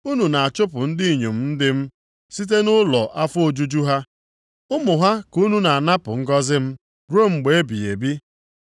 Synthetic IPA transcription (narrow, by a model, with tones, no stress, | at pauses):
u˦nu˨na˨a˨t͡ʃʊ˦pʊ˨n̩˦di˦i˨ɲo˨m̩˦n̩˦dɪ˦m̩˦ | si˦t̬e˦nʊ˦lɔ˨ʔa˦fʊ˦o˦d͡ʒu˦d͡ʒu˦ɦa˦ | ʊ˦mʊ˨ɦa˦ku˦nu˦na˨a˨na˦pʊ̰˨ŋ̩˦ɡɔ˦zɪ˦m̩˦ | ɾo˦˨ŋ͡m̩˨ɡ͡be˨˦e˦bḭ˨ḛ˨bi˦